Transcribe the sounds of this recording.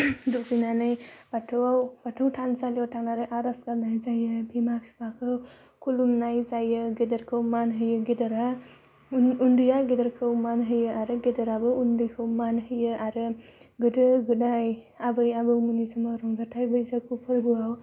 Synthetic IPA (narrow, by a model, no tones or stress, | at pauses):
dukinanɯjb̥atʰɯwawb̥atʰɯwtʰansaljawtʰaŋnaɾɯʔaɾaskaɾnajzajɯbʰimapʰibakʰɯw | kʰulumnajzajɯɡedəɾkʰɯwmanɦɯjɯɡedəɾa | undɯjaɡedəɾkʰɯwmanɦɯjɯaɾɯɡedɐɾabɯundɯjkʰɯwmanɦɯjɯaɾɯɡɯdɯɡɯdaj | abɯjabɯwmunisamaɾɔŋzatʰajbɯjzakʰupʰɯɾɡɯaw